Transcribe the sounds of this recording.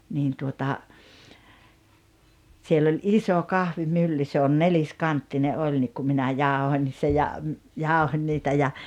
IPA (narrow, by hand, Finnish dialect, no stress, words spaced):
niːn tuotɑ sielː olʲ iso kɑhʋimylːy se on neliskɑntːine ʔolʲ nik ku minæ jɑˑohonʲ se jɑ jɑˑohonʲ niːtæ jɑ